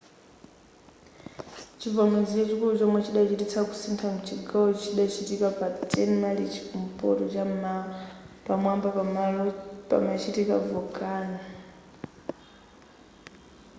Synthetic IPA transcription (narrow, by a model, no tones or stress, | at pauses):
t͡ʃʰivɔmɛd͡zit͡ʃɛt͡ʃikulut͡ʃɔmwɛt͡ʃiɗat͡ʃitit͡sʰaku̥sintʰaŋut͡ʃʰiɡaɔt͡ʃʰiɗat͡ʃitikapatʼɛnmalit͡ʃi̥kum̩pʼɔ̰tɔt͡ʃ | pamwamba | pa̰mat͡ʃitikavɔkʼaːna